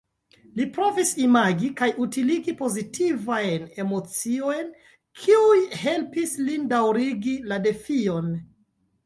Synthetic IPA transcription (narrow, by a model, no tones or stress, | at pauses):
lipɾo̞visimaɡikajutiliɡipo̞zitivajne̞mo̞t͡sio̞jn | kʰiujhe̞lpislindawɾiɡilade̞fio̞n